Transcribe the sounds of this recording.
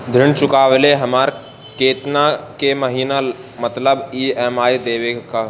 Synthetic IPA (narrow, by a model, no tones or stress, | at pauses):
d̪ʱɪɳt͡ʃʊkaːʋleɦɐmaːɾ | keːt̪nakeməɦiːna | mɐt̪ləbiːɛːmaːjd̪eːʋeka